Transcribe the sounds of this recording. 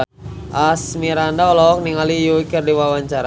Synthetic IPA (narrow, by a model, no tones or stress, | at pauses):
ʔasmiɾandaɔlɔɔk̚niŋalijuikərdiwawaɲt͡ʃaɾa